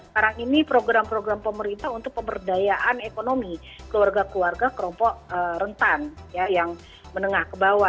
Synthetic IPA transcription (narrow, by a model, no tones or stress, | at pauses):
əkaɾaŋinipɾoɡɾampɾoɡɾampəməɾint̪aɦunt̪ʊk̚pəmbərdajaʔanekonomi | kəluarɡakluarɡakəlɔmpɔʔəɾənt̪anjajaŋ | mənəŋahkəbawa